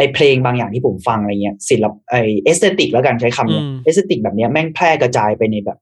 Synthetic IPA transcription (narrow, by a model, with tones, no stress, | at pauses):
ʔa˧pʰleː˧ŋbaː˧ŋjaː˨˩ŋt̪ʰiː˥˩pʰo˩˦mfa˧ŋ˧a˧jŋi˦˥ɐsi˩˦lːa˦˥p̚ʔaː˧˩jʔeː˦˥t̪eː˦˥t̪i˨˩k̚lɛ˦˥wkaː˧nt͡ɕʰa˦˥jkʰa˧mni˦˥ʔeː˧˦˥seː˦˧t̪i˨˩k̚bɛː˨˩p̚ni˦˥ɐmɛ˥˩ŋpʰlɛː˥˩ka˧t͡ɕaː˧jpa˧jna˧jbɛ̰ː˨˩p̚